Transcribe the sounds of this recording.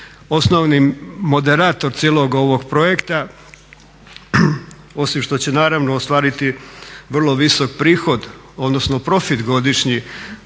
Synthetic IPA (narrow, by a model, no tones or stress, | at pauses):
o̞snoʋnimo̞d̪e̞ɾaːt̪o̞ɾt̪sjeːlˠo̞ɡo̞ʋo̞ɡpɾo̞je̞kt̪a | o̞simʃt̪o̞t͡ɕenaːɾaʋnoːst̪ʋaːɾit̪iʋr̩lˠo̞ʋiso̞k̚pɾiːxo̞d̪ | o̞d̪no̞snopɾo̞fit̪ɡo̞d̪iʃɲi